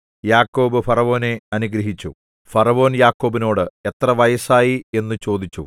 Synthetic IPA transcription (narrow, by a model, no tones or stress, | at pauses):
jaːkːo̞ːbɨfɐrɐʋo̞ːne̞ɐnuɡɾɐɦit͡ɕːṵ | fɐrɐʋo̞ːnjaːkːo̞ːbino̞ːɽɨe̞t̪rɐʋɐjɐsaːjie̞nːɨt͡ɕo̞ːd̪it͡ɕːṵ